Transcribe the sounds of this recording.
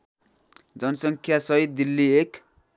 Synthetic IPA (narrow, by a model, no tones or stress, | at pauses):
d͡zʌnʌsʌŋkʰjasʌɦit̪̚d̪ilːiek